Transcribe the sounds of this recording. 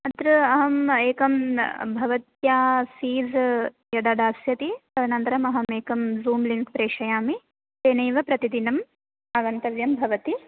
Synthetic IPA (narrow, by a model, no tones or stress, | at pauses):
ɐt̪ɾɐɐɦɐmeːkɐmbʱɐʋɐt̪jaːsiːz | jɐd̪ɐd̪aːsjɐt̪isɐnɐnt̪ɐɾɐmɐɦɐmeːkɐmzuːmliŋkpɾeːʂɐjaːmi | t̪eːnɐjʋɐpɾɐt̪id̪inɐm | aːʋɐnt̪ɐʋjɐmbʱɐʋɐt̪i